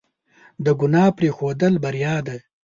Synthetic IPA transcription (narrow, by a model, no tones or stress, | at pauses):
d̪əɡʊnɑpɾexod̪əlbaɾijɑd̪a